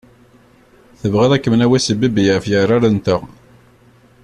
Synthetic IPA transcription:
θəvʁeðækːəmnæwæsəbibijfjəɾˤaɾənt̪ə

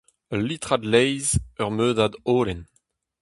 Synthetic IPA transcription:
əlit̪ʁad̪lɛjzœʁmøːdad̪oːlɛn

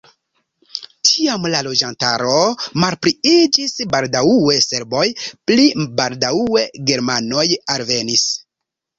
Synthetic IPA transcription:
tʰiamlalo̞d͡ʒantaɾo̞malpɾiid͡ʒisbaldauwese̞ɾbo̞jplibaldauwe̞ɡe̞ɾmano̞jalve̞nis

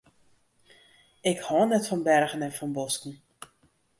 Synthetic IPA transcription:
ɪkhɔnɛtfɔnbɛrɣənɛnfɔnbɔskn̩

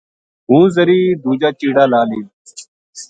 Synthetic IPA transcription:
ɦũːzəɾiːd̪uːd͡ʒaːt͡ʃiːɽaːlaːliː

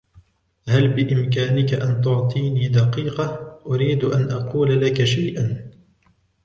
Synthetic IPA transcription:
halbɪʔɪmkaːnɪkaʔant̪̬ʊʕt̪ˤiːniːd̪ɑqiːqɑʔʊɾiːd̪ʔanʔɑquːlalakaʃajʔan

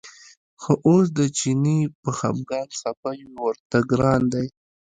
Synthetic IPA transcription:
xoʔos̬d̪ət͡ʃinipəxa̰mɡɑnsapajuwəɾt̪aɡɾɑnd̪aj

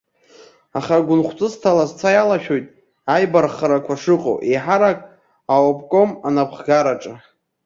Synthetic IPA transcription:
aχaɡʷʊnχʷt͡sʼɨstʰalazt͡sʰajalaʃᶣojtʼ | ajbarχaɾakʷʰaʂɨqʼo̰wʔejħaɾakʼ | awapʼkʼo̞manapʰχɡaɾaʈ͡ʂʼa

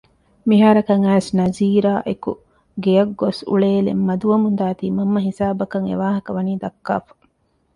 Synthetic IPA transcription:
miɦaːɾɐkɐŋæːsnɐziːɾaːʔeku | ɡejɐɡːosṵɭeːlḛmːɐd̪uʋɐmund̪aːt̪iːmɐmːɐɦisaːbɐkɐŋḛʋaːɦɐkɐʋɐniːd̪ɐkːa̰ːfɐ̥

